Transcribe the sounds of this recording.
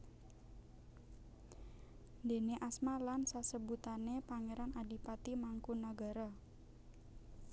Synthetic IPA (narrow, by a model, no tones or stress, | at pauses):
nd̪e̤neʔasmalansasəbut̪anepaŋeɾanadi̤pat̪imaŋkunaɡa̤ɾa